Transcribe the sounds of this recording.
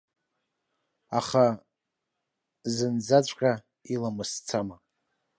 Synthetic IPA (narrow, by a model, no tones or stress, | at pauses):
aχa | zɨnd͡zat͡ʃʷʼkʲʼa | ilamɨst͡sʰama